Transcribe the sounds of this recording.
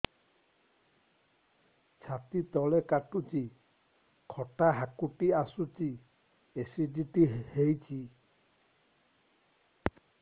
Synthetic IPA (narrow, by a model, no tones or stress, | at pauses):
t͡ʃʰat̪it̪ɔlekaʈut͡ʃi | kʰɔʈaɦakuʈiasut͡ʃi | esidiʈihejt͡ʃʰi